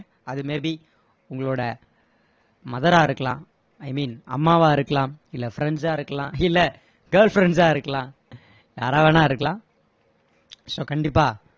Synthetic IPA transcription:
ɐðɯmeːbi | ʊŋɡɐɭoːɽɐ | mɐðɐɾaːɪɾɯkːɐlãː | ɐɪmiːnɐ̰mːaːʋaːɪɾɯkːɐlãːɪlːɐfɪɾɛɳsaːɪɾɯkːɐɭãːɪlːɛ | ɡɐːɾlfɾɛɳd͡ʒaːɪɾɯkːɐlãː | jaːɾaːʋɐnãːɪɾɯkːɐlãː | soːkɐɳɖɪpːaː

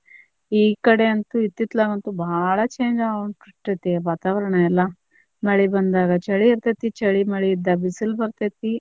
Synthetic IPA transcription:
iːkɐɽeɐnt̪uit̪ːit̪laːɡɐnt̪ubʱaɭɐt͡ʃeːnd͡ʒaɡɳʈiʈːet̪ːeʋaːt̪aːʋɐɾɐɳɐɛlːɐ | mɐɭibɐnd̪aːɡɐt͡ʃɐɭiiɾt̪et̪it͡ʃɐɭimɐɭiːd̪ːɐbisilbɐɾt̪et̪i

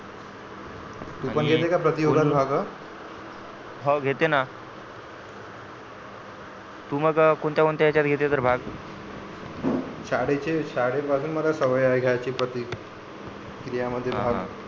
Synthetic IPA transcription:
t̪uːpəɳɡʱet̪ekapɾət̪ioɡalbʱaɡə | ɦɔɡʱet̪ena | t̪uːməɡkoɳt̪jakont̪ajat͡ɕjat̪̚ɡʱet̪et̪əɾbʱaɡ | ɕaɽet͡ɕeɕaɽepasuːnməlasəʋəjajɡʱjajt͡ɕipɾət̪i | kɾijaməd̪ʱːjebʱaɡ

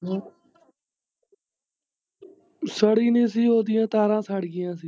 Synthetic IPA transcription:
səɽiːnĩːs̬iːɦoːd̪ɪjãːt̪aːɾãːsaːɽɡɪjãːsiː

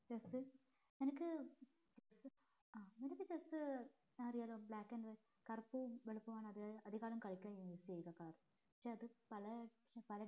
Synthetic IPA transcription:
jɐs | nenɐkːɨ | t͡ɕɐs | anenɐkːɨt͡ɕɐsɨ | saːrijaːloːbɭaːkːɐnre | kɐrpːuʋeɭipːɐʋaːɳɐðɐðiɣaːlumkɐɻikʲːuɐiisijejukːɐkaːr | ɐkʂeːɐðɨpɐlɐ | pɐlɐ

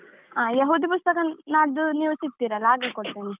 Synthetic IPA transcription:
aːjɐɦuːd̪ipust̪ɐkɐnaːɽd̪uniʋsit̪ːiːɾɐlːaːɡekoɽt̪ini

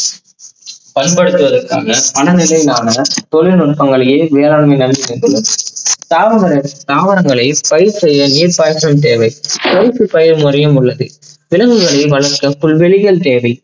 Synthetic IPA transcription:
pɐnpɐɽɯt̪ːɯʋɐðɐrkːa̰ːnɐpɐɳɐnɪlɐɪnaːnɐt̪ɔlɪlnɔʈ̚pɐŋɡɐɭɐjeːʋeːɾaːɭmɐɪnɐlːɪnɪdɐlɯmt̪aːɐɐɾɐt̪aːʋɐɾɐŋɡɐɭɐɪpɐjɪɾsɛjːɐniːɾpaːjɾɐmt̪̬eːʋɐɪkoːɪsɯpɐjɪɾmʊɾɐjɐmʊɭːɐðɯʋɪlɐŋɡɯɣɐɭɐɪʋɐɭɐɾkɐfʊɭʋɛɭɪɣɐɭt̪eːʋɐɪ

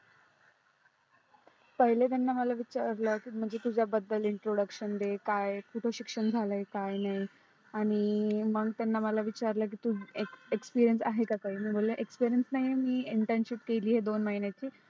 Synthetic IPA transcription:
pəɦilet̪̬anːaməlaʋit͡ɕaɾləkiːm̤əɳd͡zet̪ud͡ʑʱjabəd̪ːəliɳʈɾoɽəkɕənd̪ekajkuʈʰoɕikʂəɳd͡zʱaləekajnaɦi | aɽ̃iməɡt̪anːaməlaʋit͡ɕaɾlək̬it̪ueekspiɾijənsaɦekakaɦiːməːɡʱolleʔekspiɾijənsnaɦiemiːiɳʈənsipkeliːɦed̪onməɦinjat͡ɕiː

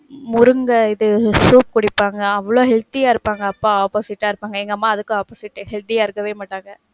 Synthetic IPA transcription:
mʊɾɯŋɡɐɪðɯsuːp̚kʊɽɪpːaːŋɡɐɐʋːɐɭoːɦɛlt̪ɪjaːɪɾɯpːaːŋɡɐɐpːaːaːpoːsɪʈːaːɪɾɯpːaːŋɡɐɛŋɡɐmaːɐðɯkːɯaːpoːsɪʈːhɛlt̪ɪjaːɪɾɯkːɐʋeːmaːʈːaːŋɡɐ

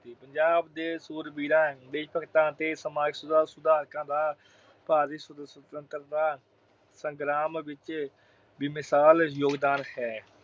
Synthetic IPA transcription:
iːpəɲd͡ʒaːbd̪eːsuːɾbiːɾãːd̪eːʃpəkt̪ãːt̪eːsəmaːɡsʊd̪aːsʊd̪aːɾkãːd̪aː | paːɾiːsəst̪ənt̪əɾd̪aː | sə̃ŋɡɾaːmʋɪt͡ʃ | biːmɪsaːljoːɡd̪aːnhɛː

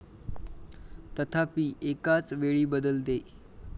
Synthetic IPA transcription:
t̪ət̪ʰapiːʔekat͡sʋeɭiːbəd̪əlt̪e

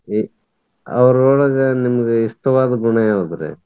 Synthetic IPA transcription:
ɐ̰ʋɐɾɔːɭɐɡɐnimɐɡeiʂʈ̪ɐʋaːd̪ɐɡuɳɐjaɐd̪ɐɾḛ

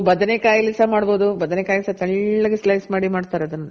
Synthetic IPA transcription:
bɐd̪ɐnekaːjɐlisɐmaːɽboːd̪ubɐd̪ɐnekaːjɐlisɐt̪ɐɭːɐɡeslɐjsmaːɽimaːɽt̪aːɾeɐd̪ɐnːɐ

